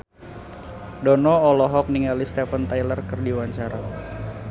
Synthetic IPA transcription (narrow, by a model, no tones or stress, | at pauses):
dɔnɔːlɔɦɔk̚niŋalist̪ɛfənt̪ajlərkɨrdiwaɲt͡ʃaɾa